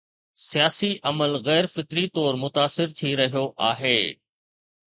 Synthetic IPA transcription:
sijaːsiʔɐməlɣɛːɾfɪt̪ɾit̪ɔːɾmʊt̪aːsɪɾt̪ʰiɾɐɦijoʔa̰ːɦeː

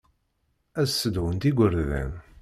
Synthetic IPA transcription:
æzsəd̪wənt̪iɡʷəɾðæ̰n

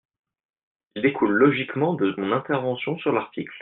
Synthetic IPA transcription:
ild̪ekʰulːɔʒikmɑ̃d̪əmɔ̃nɛ̃t̪ɛʁvɑ̃sjɔ̃syʁlaʁt̪ʰikl

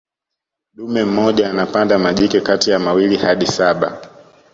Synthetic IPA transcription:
ɗumɛm̩mːɔʄaːnapandamaʄikɛkatijamawilihaɗisaɓa

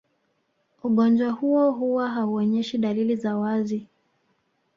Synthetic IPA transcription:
uɠɔnd͡ʒwahuɔɦuwaɦauɔɲɛʃiɗalilizawazi

